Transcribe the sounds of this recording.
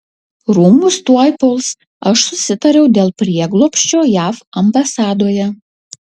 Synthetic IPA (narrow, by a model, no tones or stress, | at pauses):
ɾuːmʊst̪uɔjpɔlˠs | ɐʃsʊsʲɪt̪ɐɾʲɛʊd̪ʲeːlˠpʲɾʲiɛɡlˠoːpʲʃʲt͡ʃʲoːjæːfɐmbɐsɑːd̪oːjɛ